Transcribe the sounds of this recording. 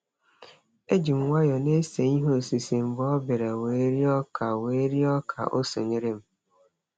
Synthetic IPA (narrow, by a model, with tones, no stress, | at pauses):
e˦d͡ʒi˨m˨wa˦jɔ˨ne˦se˨ɲi˦ɦo˦˨si˨si˨m̩˨bɔ˦ɔ˦bɪ˨ɾa˨weː˨˦ɾi˦ɔ˦kʰa˨we˨˦ɾi˦ɔ˦kʰa̰˨ʔo˦so̰˨ni˦ɾe˦m̩˦